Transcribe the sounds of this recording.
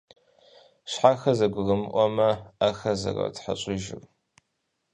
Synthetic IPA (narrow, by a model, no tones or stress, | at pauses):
ʃħaxɐzɐɡʷʊɣɐmɨʔʷɔmɐaxɐzɐ̰rɐ̰tħaɕʷʼɪʒɪ̰r